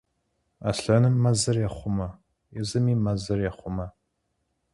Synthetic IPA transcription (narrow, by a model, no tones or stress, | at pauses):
a̰ɬɐnɨmːɐzɐrjɛχʷʊmɐ | jɛzɨmiːmɐzɐrjɛχʷʊmɐ